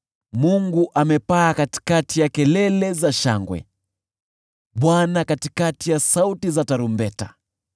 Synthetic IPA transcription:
muŋɡuʔamɛpaːkati̥katijakɛlɛlɛzaʃa̰ŋɡwɛ̰ | ɓwanakatikatijasautizataɾumbɛta̰

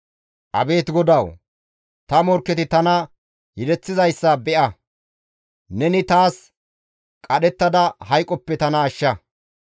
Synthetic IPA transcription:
ʔɐ̰be̞ːt̪ɡɔd̪ɐw | t̪ɐmɔɾkːɛt̪ɪt̪ɐnɐ | jɪd̪ɛt͡sːɪzɐjsːɐbɛʔɐ | nɛnɪt̪aːs | kʼɐɗɛt̪ːɐd̪ɐhɐjkʼːɔpːɛt̪ɐnɐːʃːɐ

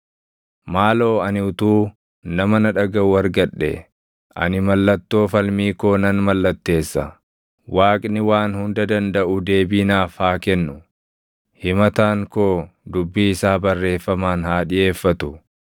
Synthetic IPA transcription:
maːlo̞ːɐnɪʊt̪uː | nɐmɐnɐᶑɐɡɐʊɐɾɡɐᶑːɛ̰ | ʔɐ̰nɪmɐlːɐt̪ːo̞ːfɐlmiːko̞ːnɐnmɐlːɐt̪ːe̞ːsːɐ | waːkʼnɪwaːnhʊnd̪ɐd̪ɐnd̪ɐʔʊd̪e̞ːbiːnaːfhaːkɛnːʊ | hɪmɐt̪aːŋkoːd̪ʊbːiːɪsaːbɐrːe̞ːfːɐmaːnhaːᶑɪje̞ːfːɐt̪ʊ

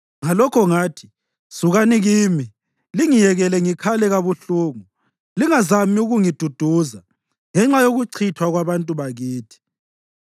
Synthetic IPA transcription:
ŋalɔkʰɔŋaːtʰi̥ | suɣaniɣiːmi | liŋijɛɣɛlɛŋikʰalɛɣaβuɬuːŋu | liŋazamiuɣuŋid̥ʱud̥ʱuːza | ŋɛŋ͡ǁajoɣuǀʰitʰwaɣwaβantʼuβaɣiːtʰi̥

